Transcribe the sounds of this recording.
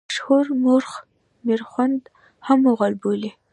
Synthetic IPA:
ʃhuɾmoɾx | meɾxwand̪ | hamoɣalboli

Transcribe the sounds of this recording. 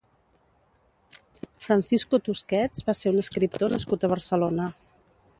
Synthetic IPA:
fɾənsiskut̪uskɛd͡zβaseɾunəskɾip̚t̪onəskut̪əβ̞əɾsəlonə

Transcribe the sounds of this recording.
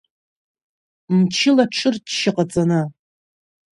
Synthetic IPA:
mt͡ʃʰɪlaʈ͡ʂʰɨrdʃɪqʼat͡sʼana

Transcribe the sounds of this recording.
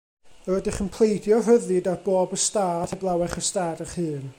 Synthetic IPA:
əwɛdɪχənpʰl̥ˠejdjɔrəðɨdarboːbəstaːdʰɛblˠawɛχəstaːdəχhɨːn

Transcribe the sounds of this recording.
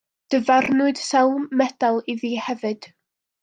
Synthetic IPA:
d̥əvarnʊɨd̥sɛlˠmɛd̥alˠiðiːhɛvɨd̥

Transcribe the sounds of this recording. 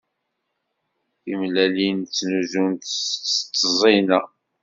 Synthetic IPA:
imlælint͡sːnuzunt̪ːt̪ːəzˤinæ

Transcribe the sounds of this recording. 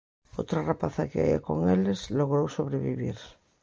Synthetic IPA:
ot̪ɾarapaθakea̰a̰ko̰ŋelezloɣɾowsoβɾeβiβiɾ

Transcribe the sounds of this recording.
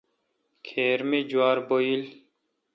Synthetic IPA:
kʰeːɾmed͡ʑuwaːɾboil

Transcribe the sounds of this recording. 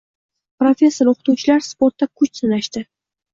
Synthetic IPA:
pɾofʲe̞sːoɾoqt̪uwt͡ʃʰɪlaɾspo̞ɾt̪ːakʰʊt͡ʃsɪnaʃt̪ɪ

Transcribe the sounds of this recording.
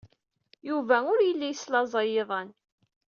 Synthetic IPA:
juvæʊɾjəlːijslɑzˤɑjeðˤən

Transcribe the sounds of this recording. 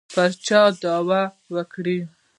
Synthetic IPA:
pəɾt͡ʃɑd̪ɑwa | wəkɽi

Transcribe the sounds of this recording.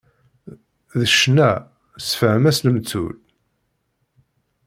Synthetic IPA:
ðəʃnæ | sfəhmæsnəmt͡sːṵl

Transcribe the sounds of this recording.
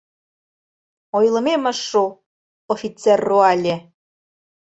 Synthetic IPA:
ojlˠɤ̆memə̆ʃːu | ofʲit͡serːoɑlʲĕ

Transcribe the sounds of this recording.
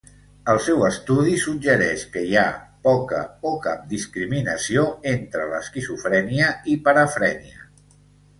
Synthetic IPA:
əlˠsɛwəst̪uðisud͡ʒəɾɛʃkəiapɔkə̰okap̚d̪iskɾiminəsioent̪ɾələ̰skizufɾɛniəipəɾəfɾɛniə

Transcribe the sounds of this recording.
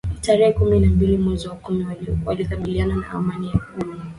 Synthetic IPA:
taɾɛhɛkuminambilimwɛziwakumiwalikaɓilianana̰ʔa̰manijakuli

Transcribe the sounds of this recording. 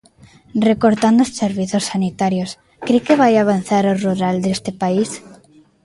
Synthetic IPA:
rekoɾt̪and̪osseɾβiθosːanit̪aɾjos | kɾekeβajaβ̞an̟θaɾoruɾald̪est̪epais

